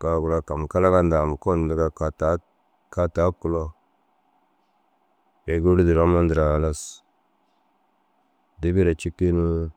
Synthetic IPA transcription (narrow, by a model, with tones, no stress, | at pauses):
ka˨ɡu˨ɾa˨ka˨m˨ka˦la˦ka˦nda˨mu˨ko˦˨n˨da˨ɡa˨a˨ta˨˦ | ka˦ta˨˦ku˦lo˦ | be˨ɡu˦ɾi˦di˨ɾa˦ma˦ndɾa˨la˦s | di˦bi˦ɾa˨t͡ʃi˦kːi˦nu˦